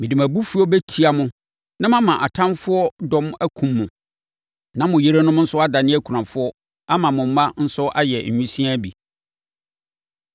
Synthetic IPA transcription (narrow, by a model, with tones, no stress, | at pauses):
mɪ̃˨di˨mæ˨bu˦fu˦ɔ˦be˦tʰi˦a˨mʊ̃˦ | nã˦mã˦mã˨ʔa˨tʰã˦nfʊ˦ɔ˦dɔ̃˦mæ˦kʰũ˨mːʊ̃˨ | nã˦mʊ̃˨je˦ɾe˦nʊ̃˦m˦n̩˦sʊ˦a˦da˨nɪ̃˦æ˦kʰu˨ɾã˨fʊ˦ɔ˦ | a˦mã˨mʊ̃˨m̩˦mã˦n̩˦sʊ˦ʔa˦jɛ˨ɲ̩˨ũ˦sĩ˦a˦bḭ˨